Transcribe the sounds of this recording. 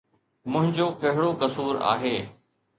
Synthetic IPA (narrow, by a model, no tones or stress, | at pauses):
mʊ̃ɦɪ̃ɲd͡ʑoːkɐɦɪɽokɐsuːɾa̰ːɦeː